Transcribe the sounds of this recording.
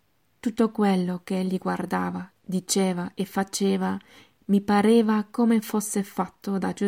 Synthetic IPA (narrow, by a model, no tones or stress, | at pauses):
t̪ut̪ːokwelːokeeʎːiɡward̪aːva | d̪it͡ʃeːvaʔefːat͡ʃeːva | mipaɾeːvakomefosːefat̪ːod̪ad͡ʒu